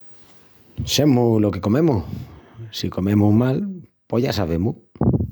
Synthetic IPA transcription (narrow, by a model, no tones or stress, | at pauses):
semulokekomemu | sikomẽmumalpoʎasaβemu